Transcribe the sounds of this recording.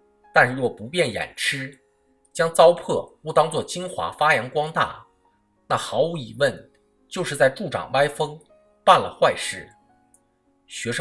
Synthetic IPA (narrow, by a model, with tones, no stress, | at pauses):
t̪a˥˧n˧wɔ˥˩pu˧˥pjɛ˥˩njɛ̰˨˩nʈ͡ʂʰɻ̩˥ | t͡ɕjɑ˥ŋt͡sɑ˥ʊpʰɤ˥˩ɔ˥˩t̪ɑ˥ŋt͡swɔ˥˩t͡ɕi˥ŋxwa̰˧˥fa˥jɑ˧˥ŋkwɑ˥ŋt̪a̰˥˩ | na˥˩xɑ˧˥ʊu˧˥i˨˩wə˥˩n | t͡ɕjo˥˧ʊʂɻ̩˥˧t͡sa˥˧ɪʈ͡ʂu˥˩ʈ͡ʂɑ̰˨˩ŋwa˥ɪfɤ˥ŋ | pa˥˩nlə̰˩xwa˥˧ɪʂɻ̩˥˩ | ɕɥɛ˧˥ʂ